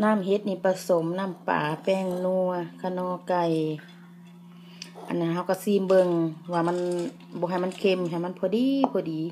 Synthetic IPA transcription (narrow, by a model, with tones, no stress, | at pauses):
naː˧˥˨mɦe˧˦t̪̚niː˧˨pa˧so˨˦mnaː˧˥˨mpa̰ː˨˦pɛː˧˩˨ŋnu˧ɐkʰa˧˩nɔː˧˩˨ka˧˩j | ʔa̰˧˨nːa˧˨ɦa˧˩wka˧˩siː˧˨mbɤ˧˨ŋwaː˧˩ma˧˥˨n | bɔː˧˦ɦa˨˩jma˧˥˨nkʰe˧˨mɦa˨˩˨ma˧˥˨npʰɔː˧˦diː˧˦pʰɔː˧˩diː˨˦